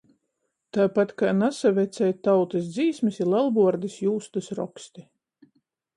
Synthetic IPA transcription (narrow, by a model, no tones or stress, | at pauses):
t̪aːpat̪kaːnasavʲɛt̪sʲɛjt̪awt̪ɨsd̪ziːsmisilˠɛlˠbuɔɾd̪isjuːst̪ɨsɾɔ̰kst̪i